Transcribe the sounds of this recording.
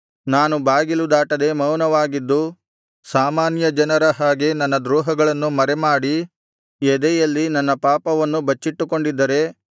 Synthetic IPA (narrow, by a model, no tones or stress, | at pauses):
naːnubaːɡilud̪aːʈɐd̪emɐwnɐʋaːɡid̪ːu | saːmaːnjɐd͡ʒɐnɐɾɐɦaːɡe̞nɐnːɐd̪ɾuːɦɐɡɐɭɐnːumɐɾemaːɽi | ed̪ɛjɐlːinɐnːɐpaːpɐʋɐnːubɐt͡ʃːiʈːuko̞ɳɖid̪ːɐɾe̞